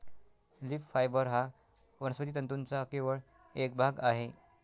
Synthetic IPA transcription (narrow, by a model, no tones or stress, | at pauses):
liffajbəɾɦa | ʋənəsʋət̪iːt̪ənt̪unt͡sakeʋəɭ | ek̚bʱaɡaɦe